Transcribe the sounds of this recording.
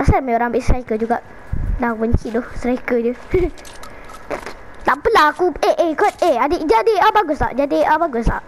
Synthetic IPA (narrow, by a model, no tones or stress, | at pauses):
asamajoɾaŋabɪʔsɾaikəd͡ʒuɡaʔ | laakubəɲt͡ʃidɔhsɾaikəd͡ʒə | lapəlaakueʔekɔt̪̚eadid͡ʒadiabaɡʊsla̰ʔd͡ʒadiʔabaɡʊslaʔ